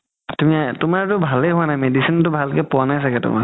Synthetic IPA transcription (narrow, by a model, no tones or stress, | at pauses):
tumiatʊmaɹtʊbʱalɛɦʊwanajmedisintʊbʱalkɛpʊwanajsakɛtʊ̰ma̰